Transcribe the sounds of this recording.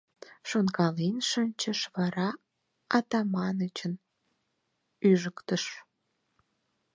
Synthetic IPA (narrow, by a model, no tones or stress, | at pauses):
ʃonkɑlinʃənʲt͡ɕəʃβɑɾɑ | ɑt̪ɑmɑnət͡ɕən | yʒəkt̪əʃ